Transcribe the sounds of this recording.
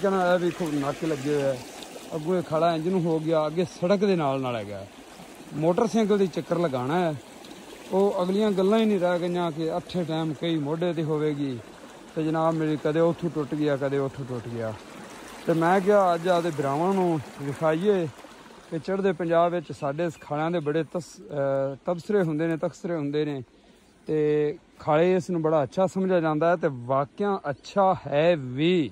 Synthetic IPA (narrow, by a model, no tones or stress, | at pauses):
kənãːɛːbiːkʰonaːkːiləɡeːɛːəɡũːeːkʰaːlaːɪ̃d͡ʒnũːɦoːɡɪjaːəɡeːsəɽəkd̪eːnaːlnaːlɛ̰ːɡa̰ː | moːʈəɾsɛ̃ːŋɡəld̪iːt͡ʃəkːəɾləɡaːnɛː | oːəɡlɪjãːɡəlːãːĩːnĩːɾɛːɡəjãːk̬ɪəʈʰːeːʈɛːmkəiːmoːɖeːt̪iːɦoːʋeːɡiː | t̪eːd͡ʒɪnaːmeːɾiːkəd̪eːʊt̪ʰːũːʈʊʈɡɪjaːkəd̪eːʊt̪ʰuːʈʊʈɡɪjaː | t̪eːmɛ̃ːkɪaːəd͡ʒaːd̪eːbɾaːʋãːnũːd̪ɪkʰaːiːeː | kɪt͡ʃəɽd̪eːpəɲd͡ʒaːbʋɪt͡ʃsaːɖeːskʰaːlãːd̪eːbəɽeːt̪ə | t̪əbsəɾeːɦʊ̃nd̪eːnẽːt̪əkʰsəɾeːɦʊ̃nd̪eːneː | t̪eː | kʰaːleːɪsnũːbəɽaːətːʃʰaːsəmd͡ʒaːd͡ʒãːnd̪aːɛːt̪eːʋaːkɪjãːʔətːʃʰaːhɛːʋiː